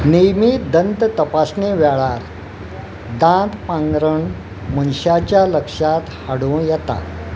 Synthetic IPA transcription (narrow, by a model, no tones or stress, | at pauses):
nijmiːd̪ənt̪ət̪əpasneʋɛɭaɾ | d̪ãt̪pãŋɡɾəɳ | mənɕat͡ɕjaləkʂat̪haɽũjɛt̪a̰